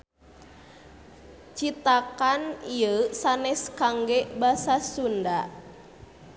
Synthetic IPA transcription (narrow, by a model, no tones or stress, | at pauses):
t͡ʃit̪akaniəsanɛskaŋɡɛbasasunda